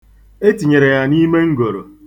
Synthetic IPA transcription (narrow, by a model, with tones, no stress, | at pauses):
e˦ti˨ɲe˨ɾe˨ja˨ni˦me˦ŋ̩˦ɡo˨ɾo̰˨